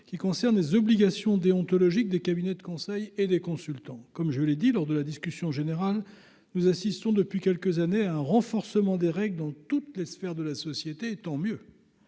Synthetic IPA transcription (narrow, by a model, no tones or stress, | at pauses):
kʲikɔ̃sɛʁnlezɔbliɡʲasjɔ̃d̪eɔ̃t̪ɔlɔʒik̚d̪ekabinɛd̪əkɔ̃sɛjed̪ekɔ̃sylt̪ɑ̃kɔmʒəled̪ilɔʁd̪əlad̪iskʲysjɔ̃ʒeneʁal | nuzasist̪ɔ̃d̪əpɥikʲɛlkəzaneaɛ̃ʁɑ̃fɔʁsəmɑ̃d̪eʁɛɡld̪ɑ̃t̪ut̪lesfɛʁd̪əlasɔsjet̪et̪ɑ̃mjø